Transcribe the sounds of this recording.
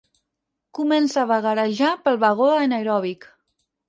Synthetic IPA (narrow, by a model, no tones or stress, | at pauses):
kumɛnsaβaɣəɾaʒapəlˠβaɣ̞oenajɾɔβik